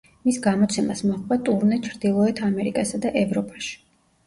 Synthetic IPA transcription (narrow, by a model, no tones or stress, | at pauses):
misɡamɔt̪sʰɛmasmɔχvat̪ʼuɾnɛt͡ʃʰɾd̪ilˠɔɛt̪ʰamɛɾikʼasad̪aʔɛvɾɔpʼḁʃi̥